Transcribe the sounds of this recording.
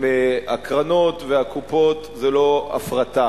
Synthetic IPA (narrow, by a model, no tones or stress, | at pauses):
meakʁanot̪veakupo̞t̪ | zelo̞a̰fʁat̪a